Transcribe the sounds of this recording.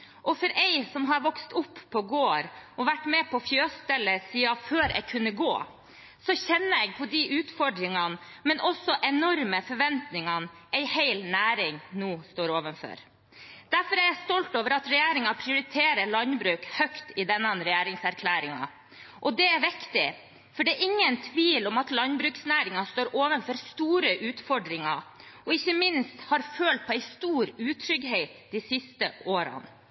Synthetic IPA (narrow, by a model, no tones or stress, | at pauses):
ʔɔfɔɾʔɛɪsɔmɦɑɾʋɔkst̪ʊpːpʰːɔɡoːɾɔʋæʈːmɛpʰɔfjøːst̪ɛlːəsiːɑføːɾɛ̰ɪkʰʉnːəɡo̰ː | sɔçɛnːəɛɡ̚pʰɔd̪iʔʉːt̪fɔɖɾɪŋɑn | mɛnʔɔsːɔʔɛnɔɾməfɔɾʋɛnt̪nɪŋɑn | ɛɪhæɪlnæːɾɪŋnuːst̪oːɾoːʋənfɔ̰ɾ | d̪̥æɾfɔɾjææst̪ɔlt̪oːʋəɾɑt̪ɾɛjeːɾɪŋɑpʰɾɪʊɾɪt̪ʰeːɾəɭɑnbɾʉːkhœkt̪ɪd̪ɛnːənɾɛjæːɾɪŋsæɾkʰlæːɾɪŋɑ̰ | ʔɔd̪ɛæɾʋɪkt̪ɪ | fɔɖɛːɾʔɪŋːənt̪ʰʋiːlɔmɑt̪lɑnbɾʉːksnæːɾɪŋɑst̪oːɾʔoːʋənfɔɾst̪uːɾəʔʉːt̪fɔɖɾɪŋɑɔɪçːəmɪnst̪hɑɾføːlt̪̚pʰɔæɪst̪uːɾʉːt̪ʰɾʏɡɦɛɪt̪d̪isɪst̪əoːɾɑ̰n